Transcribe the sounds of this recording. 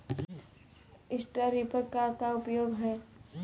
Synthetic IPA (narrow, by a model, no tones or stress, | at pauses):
ɪsʈəɾipəɾkat̪aʊpjoːɡɦɛː